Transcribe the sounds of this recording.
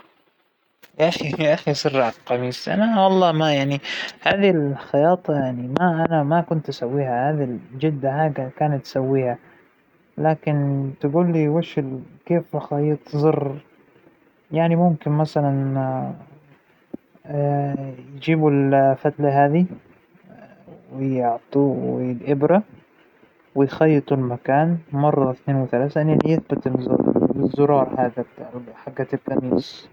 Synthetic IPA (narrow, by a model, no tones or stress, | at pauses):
jaʔaxiaʔaxisˤɨrːʕqɑmiːsʔa̰nawɑlˤːɑːmajaʕnihaːðilxɑjɑːt̪ˤɑjaʕnimaʔanamakʊnt̪ʔasawːiːhahaːðild͡ʒɪd̪ːaħaːɡakaːnat̪ːsawːiːha | laːkɪnt̪ɪɡuːlːiwaʃɪlkeːfʔaxajt̪ˤzˤɨrˤ | jaʕnimʊmkɪnmasalan | jd͡ʒiːbulfat̪laɦaːði | wɪjɪʕt̪ˤuwɪɪlʔɪbɾa | wɪjxajːɨt̪ˤulmakaːnmɑrˤːɑɪθneːnwɪθalaːθanɪljɪθbɪt̪z̰zːʊɾˤɑːɾˤħaɡaħaɡːat̪ɪt̪ːamiːs